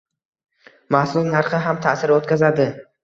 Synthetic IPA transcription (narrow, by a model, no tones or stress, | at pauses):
mahsʊlˠnaɾχɪɦamt̪ʰasɪɾot̪kʲazad̪ɪ